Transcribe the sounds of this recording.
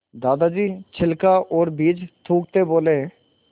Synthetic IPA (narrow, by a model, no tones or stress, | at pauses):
d̪aːd̪ad͡ʒiːt͡ʃʰɪlkaʔɔːɾbiːd͡ʒt̪ʰũːk̚t̪eboːleɦɛ̃ː